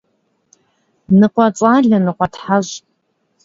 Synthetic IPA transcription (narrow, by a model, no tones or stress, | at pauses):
nɨqʷʼat͡sʼaɮʲanɨqʷʼatʰħaʒʷʼ